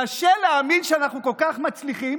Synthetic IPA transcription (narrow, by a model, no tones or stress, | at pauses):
aʃeleaːminʃeanaχnukolkaχmat͡sliχim